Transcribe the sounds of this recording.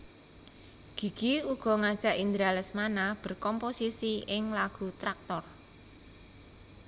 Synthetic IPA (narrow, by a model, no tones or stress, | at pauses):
ɡ̥i̤ɡ̥iuɡ̥ɔ̤ŋad̥ʒ̥a̤ʔind̪ɾalɛsmanab̥ə̤rkɔmposisiɪŋlaɡ̥ṳt̪ɾak̚t̪ɔr